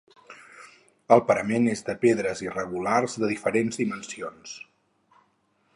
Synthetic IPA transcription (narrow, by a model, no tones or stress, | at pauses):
əlˠpəɾəmenezd̪əpeðɾəzirəɣularzðəðifəɾenzðimənsions